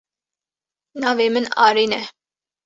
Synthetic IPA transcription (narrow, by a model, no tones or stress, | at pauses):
nɑvɛmənɑ̰ɾinɛ